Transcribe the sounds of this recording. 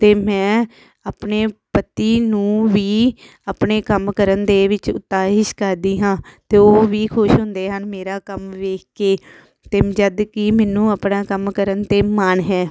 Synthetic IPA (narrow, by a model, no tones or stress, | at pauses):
t̪eːmɛ̃ː | aːpɳeːpət̪iːnũːʋiː | apɳeːkəmkəɾənd̪eːʋɪt͡ʃʊ̰t̪ːaːɦɪʃkəɾd̪iːɦãːt̪eːoːʋiːkʰʊʃɦʊnd̪eːɦənmeːɾaːkəmʋeːkʰkeː | t̪eːmd͡ʒəd̪kɪmɛːnũːəpnaːkəmkəɾənt̪eːməɳɦɛː